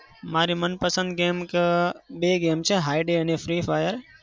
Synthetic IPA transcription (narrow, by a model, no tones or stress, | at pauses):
maːɾimənpəsə̃nd̪ɡeːmkɓeːɡeːmt͡ʃʰeɦaːjɖeɐnefʰɾiːfaːjəɾ